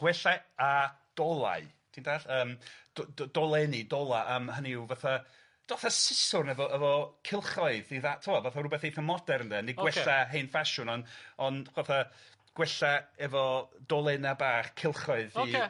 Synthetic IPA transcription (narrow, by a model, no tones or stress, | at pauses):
ɡ̥wɛɬaa | d̥ɔlˠa̰ɨ | d̥iːndaːɬəːmd̥dɔlˠɛnidɔlˠaʔəmhəniwvaθa | d̥aθasɪsʊrnɛvɔʔəvɔkʰɪlˠχɔɨðiðatʰɔvɔvaθarʊbɛθejθəmɔdɛɾəndɛniɡwwɛɬaɦejnfaʃʊnɔnɔnvaθa | ɡ̥wɛɬaɛvɔd̥ɔlˠɛnabaːχkʰɪlˠχɔɨði